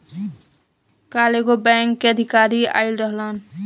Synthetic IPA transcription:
kaleɡobɛŋkːeəd̪ʱikaɾia̰ɪlɾəɦlən

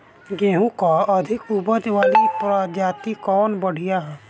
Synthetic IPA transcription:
ɡeːɦũkaəd̪ʱɪkubəd̪ʋaːlipɾad͡ʒaːt̪ikɔːnbəɽ̤ijaɦɛː

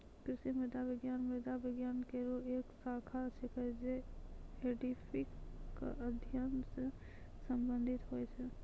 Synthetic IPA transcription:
kɾɪʃimed̪abiɡjanmed̪abɪɡjankeɾoeksakʰat͡ʃʰɛkəd͡ʒeeɖipʰikːʔəd̪ʱjənse | səmbənd̪ʱit̪ɦojt͡ʃʰɛ

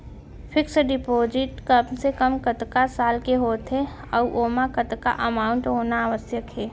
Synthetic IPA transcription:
pʰɪksɖɪpoːd͡ʒɪʈkəbsekəmkət̪kasaːlkeɦoːt̪ʰɦe | ɔʔoːmãkət̪ka̰ʔəmaːʊɳʈɦoːnaːʋəsjəkɦɛː

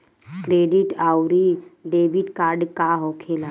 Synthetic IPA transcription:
kɾeːɖiʈaːwɾiɖeːbiʈkaːɾɖkaɦokʰeːla

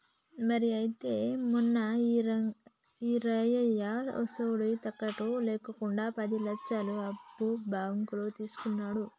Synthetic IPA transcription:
mɐɾiɐjit̪e̞ːmunːɐ | iɾɐjɐjalɔ̰sɐwuɽut̪ɐkːɐʈulɛːkɐkuɳɖaːpɐd̪ilɐt͡ʃːɐluɐbːubʱaːɡɐŋkuloːt̪iːsu̥kunːaːɽu

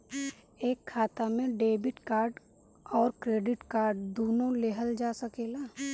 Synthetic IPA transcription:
eːkʰːaːt̪amẽɖeːbɪʈkaːɾɖ | ɔːɾkɾeːɖɪʈkaːɾɖd̪oːnoleɦəld͡ʒaːsəkeːlaː

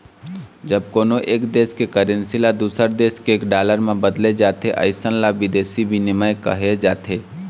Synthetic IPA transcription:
d͡ʒəb̚koːnoʔeːkd̪eːskekəɾənsilad̪uːsəɾd̪eːskeːkɖaːləɾmẽbəd̪led͡ʒaːt̪eʔə̰ɪsənlaʋɪd̪eːsibʱinɪməjkɐ̰ɦed͡ʒaːt̪ʰeː

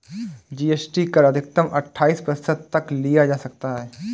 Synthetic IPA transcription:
d͡ʒiːeːsʈikɐɾəd̪ʱɪk̚t̪əmʔɐ̰ʈʰːaːiːspɾɐsəd̪̚t̪ɐklijad͡ʒaːsɐk̚t̪aɦɛː

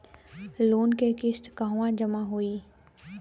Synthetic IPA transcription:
loːnkekɪsʈ̪kaɦʊwãd͡ʒəmaɦoiː

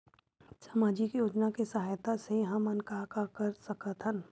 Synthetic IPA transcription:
saːmaːd͡ʒikjoːd͡ʒnakesɐɦaːjt̪aseɦɐ̃mɐnkakakɐɾsɐkət̪ɦən

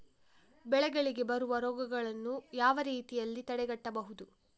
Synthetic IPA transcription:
bɛɭɛɡɐɭiɡe̞bɐɾuʋɐɾɔːɡɐɡɐɭɐnːujaːʋɐɾiːt̪ijɐlːit̪ɐɽɛɡɐʈːɐbɐɦud̪u

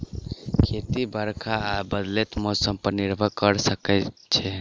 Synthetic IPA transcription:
kʰet̪ibʱəɾkʰaːbəd̪let̪mosəmpəɾniɾbʱəkəɾsəkɛt͡ʃʰɛ

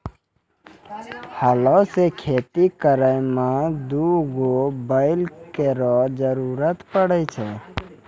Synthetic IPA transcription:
halɔsekʰeːt̪ikəɾəjmẽd̪uɡobəɪlkeɾɔd͡ʒəɾuːɾət̪pəɽət͡ʃʰɛ

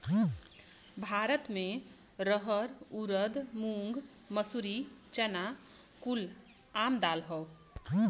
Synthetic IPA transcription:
bʱaɾət̪mẽ | ɾəɦəɾuɾəd̪muŋɡ | məsuɾit͡ʃəna | kul | amd̪alɦəw

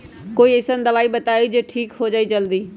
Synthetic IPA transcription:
koːiɪsənd̪ɐʋaːibɐt̪aːid͡ʑeːʈʰiːkɦod͡ʒaːit͡ʃɐld̪iː

